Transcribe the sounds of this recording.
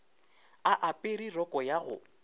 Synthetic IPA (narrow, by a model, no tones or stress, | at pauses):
aʔapʼɪɾirɔkʼɔjaɣʊ̰